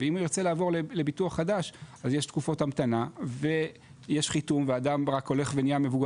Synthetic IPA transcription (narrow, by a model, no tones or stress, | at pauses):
veimuiʁt͡se̞laːvo̞ʁlele̞bituaχːadaʃazjeʃtkufo̞tamt̪anave̞ | jeʃχitumveadamʁako̞le̞χvenijamevuɡ